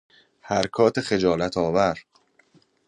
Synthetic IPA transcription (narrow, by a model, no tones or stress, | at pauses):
hæɾkʰɒːt̪ʰexe̞d͡ʒɒːlæt̪ʰɒːvæɾ